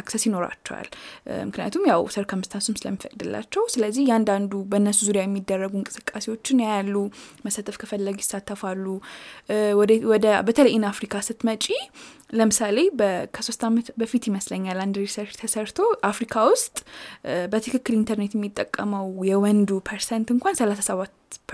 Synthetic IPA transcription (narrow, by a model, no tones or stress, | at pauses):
aksəsjino̞ɾa̰t͡ʃːɛwa̰lmɨknija̰t̪ʰumjawsəɾkʰəmɨst̪ʰansumsɨlə̰mːifəkʼd̪ɨlːa̰t͡ʃːɛwsɨləzːihjɛand̪and̪ubəɨnːəsuzuɾijajɛmːid̪ːərːəɡuŋkʼɨsɨ̥kʼːase̞wo̞t͡ʃːɪnjajalːuməsat̪ʰəfkʰəfəlːəɡjɪsːat̪ʰːəfalːu | w̪wɔd̪əbət̪ʰələjːɪnafɾikʰasɨt̪mət͡ʃʼiləmɨsale̞bəkʰəso̞st̪amət̪bəfit̪jɪməsləɲːaland̪ɾisəɾt͡ʃːt̪ʰəsəɾt̪ʰo̞ʔafɾikʰawʊst̪ʼbət̪ʰɨkʰɨkːɨlint̪ʰəɾnet̪jɛmːit̪ʼːəkʼːəməwjɛwɔnd̪upʰəɾsɛnt̪ɨŋkʷʰansəlasasəβat̪ːpʰ